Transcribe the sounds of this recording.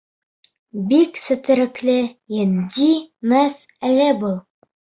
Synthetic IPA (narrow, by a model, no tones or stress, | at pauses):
biksɘ̆t̪ɘ̆ɾɘ̆klɘjænd̪imæs | ælʲɘbɤlˠ